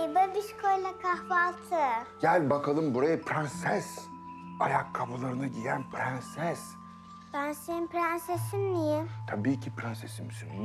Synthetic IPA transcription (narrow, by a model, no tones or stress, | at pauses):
ebɯbiʃkʰojlˠakʰahvalˠt̪ʰɯɟ̥ælʲbakʰalˠɯmbuɾajapʰɾansæz̥ | ajakʰːabulˠaɾɯnaɟijænpʰɾansæz̥ | bansenimpɾansesinnijɪt̪ʰabiːcʰipɾansesimsin